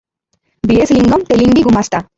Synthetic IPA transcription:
biesliŋɡɐmt̪eliŋɡiɡumasʈ̪a

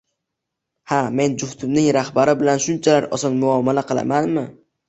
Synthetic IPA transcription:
hame̞nd͡ʒʊht̪ʰʊmnɪŋɾahbaɾɪbɪlanʃʊnt͡ʃʰalaɾɒ̰sɒnmʊɒmalaqʰɨlˠa̰manmɪ

